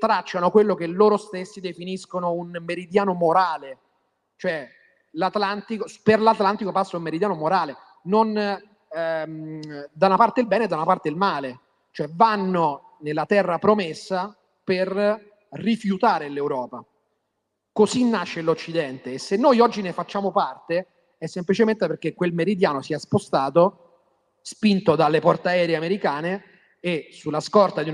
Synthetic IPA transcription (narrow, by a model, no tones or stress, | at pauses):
t̪ɾat͡ʃːanokwelːokeloːɾost̪esːid̪efiniskonounmeɾid̪jaːnomoɾaːle | t͡ʃoɛ | lat̪lant̪ikoperlat̪lant̪ikopasːaumeɾid̪jaːnomoɾaːle | non | md̪aunapart̪edilbɛːned̪ːaunapart̪eilmaːle | t͡ʃoɛvanːo | nelːat̪ɛrːapɾomesːa | per | rːifjut̪aːɾelewɾɔːpa | kozinːaʃːelot͡ʃːid̪ɛnt̪eːsːenːojɔd͡ʒːinefat͡ʃːaːmopart̪e | ɛsːemplit͡ʃement̪eperk̟ekːwelmeɾid̪jaːnosiɛspost̪aːt̪o | spint̪od̪alːepɔrt̪eaɛːɾeeameɾikaːneː | sulːaskɔrt̪ad̪iu